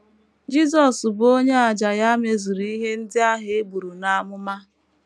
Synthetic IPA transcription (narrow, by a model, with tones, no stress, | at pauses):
d͡ʒi˦zɔ˨sbo˦ɲe˦a˨d͡ʒa˨ja˦me˨zu˨ɾi˦ɦe˦n̩˦dɪ˦a˦ɦɪ˨e˦bu˨ɾu˨na˨˦mʊ˦ma˦